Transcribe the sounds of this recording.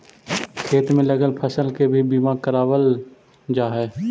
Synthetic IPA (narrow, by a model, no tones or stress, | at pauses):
kʰeːt̪mẽləɡəlpʰəsəlkebʱibimakəɾaːwəl | d͡ʒaːɦɛː